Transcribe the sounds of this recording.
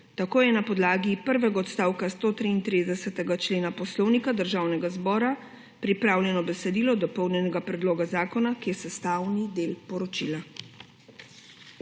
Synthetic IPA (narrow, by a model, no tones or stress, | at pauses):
t̪akoːjɛnapɔd̪laːɡipəɾʋɛɡaɔt̪st̪aːwkast̪oːt̪ɾiːnt̪ɾid̪ɛsɛt̪ɛɡat͡ʃleːnapɔslɔwnikad̪əɾʒawnɛɡazbɔːɾa | pɾipɾaːwlʲjɛnɔbɛsɛd̪iːlɔd̪ɔpɔwnjɛnɛɡapɾɛd̪loːɡazaːkɔnakijɛsɛst̪aːwnid̪eːlpɔɾɔt͡ʃila